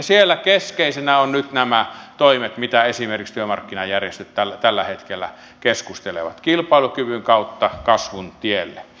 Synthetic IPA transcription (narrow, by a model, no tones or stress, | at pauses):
sielːækeskeˑisenæonnyt̪næmæt̪oˑimet̪mit̪æesimerkikst̪yømɑ̰rkːinɑjærjest̪øt̪tælæt̪ælːæhet̪kelːæ̰ | keskust̪elḛʋɑ̰t̪kilpɑˑelukyʋyŋkɑˑut̪ːɑkɑsʋunt̪ielːe